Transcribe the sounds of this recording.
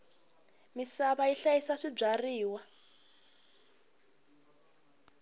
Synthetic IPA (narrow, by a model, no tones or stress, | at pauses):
misaβaiɬajisaʂib͡ʐariːwa